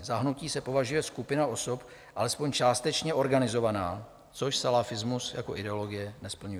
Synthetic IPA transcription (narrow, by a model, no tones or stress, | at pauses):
zaɦnuciːsɛpo̞vaʒujɛskupɪnao̞so̞p | ʔalɛspo̞ɲt͡ʃaːst̪ɛt͡ʃɲɛʔo̞ɾɡanɪzo̞vanaː | t͡so̞ʃsalafɪzmusja̰ko̞̰ʔɪdɛolo̞ɡɪjɛnɛspl̩ɲujɛ